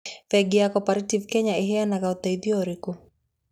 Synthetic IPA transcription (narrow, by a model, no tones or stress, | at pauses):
fɛɡiakɔpaɾitivkɛɲaiɦɛanaɣaut̪aiðiɔɾiku